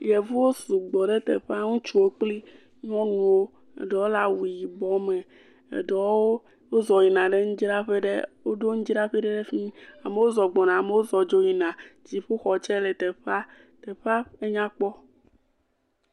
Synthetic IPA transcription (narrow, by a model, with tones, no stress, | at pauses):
jɛ˨vu˦wo˦su˨ɡ͡bɔ˨ɖe˦t̪ḛ˨ɸa˦ŋũ˦t͡ʃu˨wo˦k͡pli˦ | ɲɔ̃˦nũ˨wo˦ | ḛ˨ɖɔ˨wo˦la˦wu˨ji˨bɔ˦mẽ˨ | ḛ˨ɖɔ˨˦o˦ | wo˦zɔ˨ji˨nã˨ɖe˦ŋũ˦d͡ʑi˦ɖa˦ɸe˦ɖḛ˦wo˦ɖo˦ŋũ˦d͡ʒi˦ɾa˦ɸi˦ɖe˦ɖe˦fĩ˦a˨me˨wo˦zɔ˨ɡ͡bɔ˨nã˨me˨wo˦zɔ˨d͡ʒo˦ji˨nã˨d͡ʑi˨ɸu˦xɔ˨t͡ʃɛ˦le˨t̪e˨ɸa˦ | t̪e˨ɸa˦e˦ɲã˦k͡pɔ˦